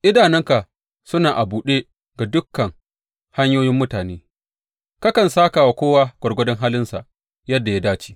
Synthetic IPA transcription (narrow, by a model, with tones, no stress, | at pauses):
ʔɪ˦daː˨nɛ˦ŋka˨ʔ | sʊ˦naː˨ʔa˨buː˨ɗeː˦ | ɡa˨dʊ˦kːɐ˨ŋ | ha˦ɲjoː˦jɪ˦mːʊ˦taː˨neː˦ | ka˦kɐ˨nsaː˦kaː˨wa˨kʷoː˦waː˦ɡ̥ʷɔ˨rɡʷɐ˦dɐ˦ŋɦaː˦lɪ˦nsa̰˨ʔ | jɐ˦dːa˨ja˦daː˦t͡ʃi̥˦